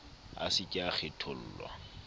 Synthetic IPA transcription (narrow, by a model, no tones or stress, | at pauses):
a̰sɪkʼɪaχɪtʰol̩ːlwa̰